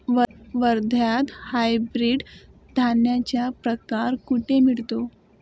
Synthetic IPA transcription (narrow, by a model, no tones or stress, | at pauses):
ʋəɾd̪ʱjat̪hajbɾiːɖ | d̪ʱanjat͡ɕjapɾəkaɾkuʈʰemiɭt̪o